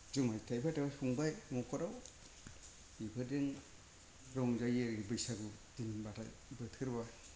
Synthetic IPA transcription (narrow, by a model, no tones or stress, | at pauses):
d͡ʒumajtʰajbʰatawahuŋbajmɔkʰɔɾaw | ibɯdeŋ | ɾɔŋzajeɾibɯjsaɡu | d̥inbata̰j | bɯtʰɯɾba